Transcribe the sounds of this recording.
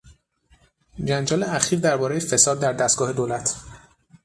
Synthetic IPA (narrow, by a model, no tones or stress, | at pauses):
d͡ʒænd͡ʒɒːleæxiːɾd̪æɾbɒːɾejefe̞sɒːd̪̚ːæɾd̪æst̪̚ɡ̥ɒːhe̞d̪oːlæt̪ʰ